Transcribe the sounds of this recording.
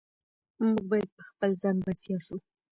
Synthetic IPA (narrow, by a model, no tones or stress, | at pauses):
muɡ̚bɑjad̪̚pə̥xpəlzɑnbasjɑʃu